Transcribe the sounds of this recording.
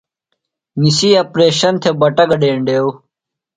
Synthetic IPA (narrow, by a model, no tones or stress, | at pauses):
nisiːɐpɾeːɕɐnt̪ʰebɐʈɐɡɐɖeːɳɖeːu